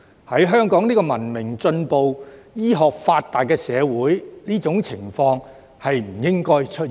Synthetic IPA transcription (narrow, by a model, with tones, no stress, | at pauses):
hɐ˨˥jɦœː˥ŋkɔː˨˥ŋniː˥kɔː˧mɐ˨˩nmɪ˨˩ŋt͡sɵ˧npo˨wjiː˥ɦɔː˨k̚faː˧tt̪ːaː˨jkɛː˧sɛː˨˧wuː˨˥jniː˥t͡sʊ˨˥ŋt͡sʰɪ˨˩ŋfɔː˧ŋ | hɐ˨jm̩˨˩jɪ˥ŋkɔː˥jt͡ʃʰɵ˥t̚